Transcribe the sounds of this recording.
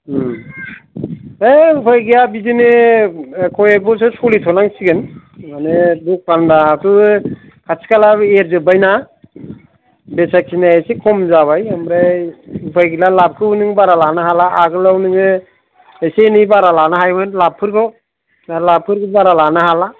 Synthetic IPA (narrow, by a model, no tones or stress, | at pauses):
eupʰajɡijabizinɯ | kʰɔjek̚bɔs̬ɯsɔlitʰɔnaŋsiɡɯnmaneduk̚pandatu | kʰasʰi̥kalaeɾzɯbajna | besakʰinaejsekʰɔmzaβajamɾeupʰajɡilalap̚kʰɯunɯŋbaɾalanɯɦalaːɡɯlawnɯŋɯ | ejsenibaɾalanaɦajmɯnlapʰɯɾɡɔ | lapʰɯɾɡɯbaɾalanɯɦala